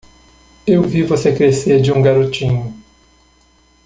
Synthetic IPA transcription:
ewvivosekɾeseɾd͡ʒɪũɡaɾot͡ʃĩɲʊ

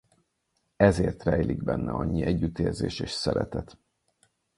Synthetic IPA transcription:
ɛzeːrt̪rɛjlʔiɡ̚bɛnːɛɒɲːiʔɛɟːyt̪eːrzeːʃeːʃsɛɾɛt̪ɛt̪

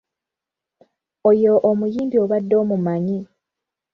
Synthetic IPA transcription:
ojoʔomujiːmbio̞βadːo̞ːmumaɲi

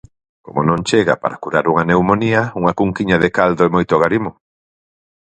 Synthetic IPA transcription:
komonõŋt͡ʃeɣa̰pa̰ɾakuɾaɾuŋanewmoniɐuŋɐkuŋkiɲaðekald̪oemojt̪oɣaɾimo

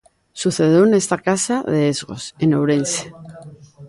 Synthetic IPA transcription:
suθe̞ðjoene̞st̪akasaðe̞ezɣo̞̰se̞newɾe̞nse̥

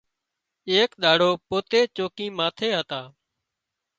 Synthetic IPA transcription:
eːkɗ̪aːɽoːpoːt̪eːt͡ʃoːkĩːmaːt̪ʰeːɦət̪aː

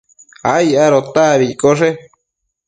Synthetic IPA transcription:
a̰jaɾot̪aβikʼoʂe

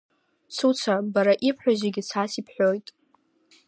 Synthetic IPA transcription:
sʰut͡sʰabaɾaʔipʰħᶣazeɡʲɪt͡sʰasipʰħʷᶣojtʼ

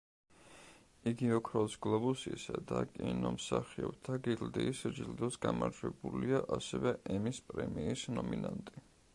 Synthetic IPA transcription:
iɡiɔkʰɾɔsɡlˠɔbusisad̪akʼinɔmsaχiɔb̥t̪ʰaɡild̪iːsd͡ʒild̪ɔsɡamaɾd͡ʒwɛbuliaʔasɛvɛʔɛmispʼɾɛmiːsnɔminant̪ʼi

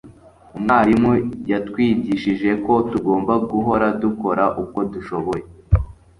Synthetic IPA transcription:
umŋaːɾimujatkwiːɟiʃiʒe̞ko̞tuɡo̞ːmbaɡuɦo̞ɾaduko̞ɾaʔuko̞duʃo̞βo̞je̞

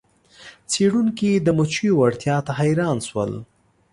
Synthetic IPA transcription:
t͡seɽuŋkid̪əmʊt͡ʃijowaɽt̪jɑt̪aɦajɾɑnswə̰l

